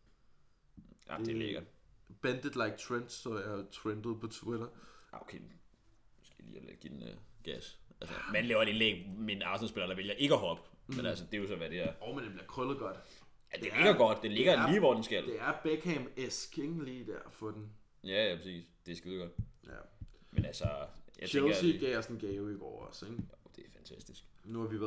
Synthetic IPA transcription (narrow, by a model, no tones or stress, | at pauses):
ɑ̰d̥eleɡ̥ɐb̥ænd̥əd̥läɪɡ̚t͡sʰʁend̥sɒjat͡sʰʁend̥ð̩ˠpʰɒt͡sʰwɪɾɐokʰḛ | msɡ̥elḭːæɡ̥id̥enɡ̥æsælsəmænlɛːʊɐedenleɡ̥menɑ̈ʊsnn̩sb̥e̝lɐɾ̥ɑ̈ʋe̝ljɐʔe̝ɡ̥əɦɒ̽b̥ | menælsəd̥e̝jo̝sɒ̽ʋæd̥e̝d̥æɐ̰ɒʊmend̥eb̥liɐkʰʁœlð̩ˠɡ̥ɒd̥ | æd̥ee̝ɡ̥ɐɡ̥ɒ̽d̥d̥ele̝ɡ̥ɐliːʋɒ̰d̥ensɡ̥æl̰de̝æɐb̥ekʰɛmeskʰeŋliːd̥æɐ̰fɔ̽d̥en | jæjæpʰɐsḭːsd̥e̝sɡ̥eðˠɡ̥ɒ̽d̥̚jæ̰menælsɐjɑ̰elˠɐsiɡ̥ɛsn̩ɡ̥ɛʊiɡ̥ɒ̰ʊɒseɡ̥jod̥e̝æɐfænt͡sʰæsd̥isɡ̥ | nuhɑ̈ʋiʋ